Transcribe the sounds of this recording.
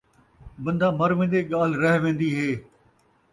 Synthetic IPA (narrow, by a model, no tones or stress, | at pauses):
bɐ̃nd̪aːmɐɾʋẽːn̆d̪eːɠaːl̤ɾɐɦʋẽːnd̪iːɦeː